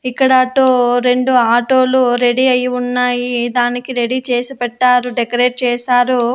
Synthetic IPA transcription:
ikːɐɽɐːʈːoɾe̞ɳɖuaːʈoːluɾe̞ɽiɐjiunːaːjid̪aːnikiɾe̞ɽit͡ʃɛːsipɛʈːaːɾuɖekɐɾe̞ːʈ̚t͡ʃɛːsaːɾu

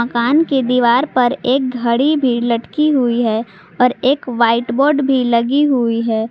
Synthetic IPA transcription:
ɐkaːnked̪iːʋaːɾpɐɾeːk̚ɡʱɐɽibʱilɐʈkiɦuiɦɛː | ɔːɾeːkʋaːɪʈbɔːɾɖbʱilɐɡiɦuiɦɛː

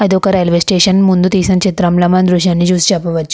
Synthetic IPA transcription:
ɐd̪okɐɾelʋesʈeːɕɐnmund̪ut̪iːsɐ̃nt͡ʃʰit̪ɾɐmlɐmɐnd̪ɾuʃjanːid͡ʒusd͡ʒɐpɐʋɐt̪ːt͡ʃu̥

